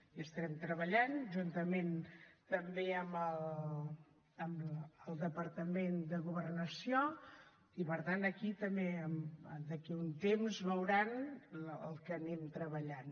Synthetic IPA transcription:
iəst̪əɾɛmt̪ɾəβəʎanʒunt̪əment̪əmbeəməl | əməlˠd̪əpəɾt̪əmend̪əɣuβərnəsio | ipəɾt̪anəkit̪əmbeəməd̪əkiunt̪emzβəwɾanə̰lˠkənɛmt̪ɾəβəʎan

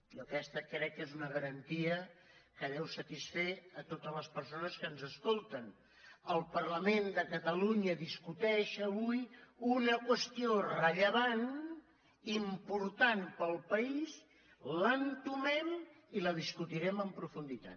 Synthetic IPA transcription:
okɛst̪əkɾɛkːezunəɣəɾənt̪iə | kəðɛwsət̪isfeət̪ot̪əzləspəɾsonəskənzəskolˠt̪ən | əlˠpərləmend̪əkət̪əluɲəðiskut̪ɛʃəβujunəkwəst̪iorəʎəβan | impuɾt̪anpəlˠpəiz | lənt̪umɛm | iləð̞iskut̪iɾɛməmpɾufund̪it̪a̰t̪

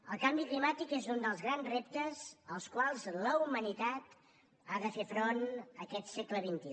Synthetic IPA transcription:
əlˠkambiklimat̪ikezund̪əlˠzɣɾanzrep̚t̪əzəlˠskwalˠzləumənit̪at̪ | aðəfefɾonəkɛt̪sɛkləβint̪i

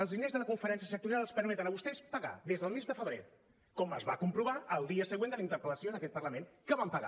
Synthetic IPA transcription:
əlˠzðinezðələkuɱfəɾɛnsiəsək̚t̪uɾialˠəspəɾmɛt̪ənəβust̪ɛspəɣa̰ðezðəlˠmezðəfəβɾḛ | kɔməzβa̰kumpɾuβaəlˠd̪iəsəɣwend̪əlint̪əɾpələsioðəkɛt̪̚pərləmenkəβampəɣa̰

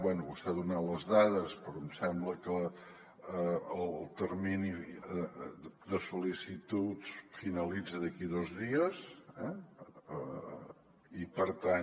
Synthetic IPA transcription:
bwɛnuusaðunaləzðaðəspɾɔmsɛmbləkə | llˠt̪ərmini | d̪əsulisit̪ut͡sfinəlid͡zəðəkiðɔzðiəsɛə̰ | ipəɾt̪an

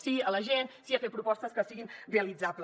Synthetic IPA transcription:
siələʒensiafet̪̚pɾupɔst̪əskəsiɣinreəlid͡zaplə

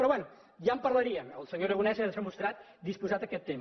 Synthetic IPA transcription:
pɾɔβwɛnu | ʒampəɾləɾiəməlˠsəɲoɾəɣunɛzenzəmust̪ɾat̪ | d̪ispuzat̪əkɛt̪ːem

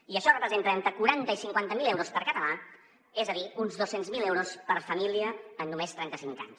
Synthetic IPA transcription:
iəʃɔrəpɾəzent̪əent̪ɾəkuɾant̪əisiŋkwant̪əmilɛwɾospəɾkət̪əla | ezəðiunzðosenzmilɛwɾospəɾfəmiliəːnːumest̪ɾɛnt̪əsiŋka̰ɲs

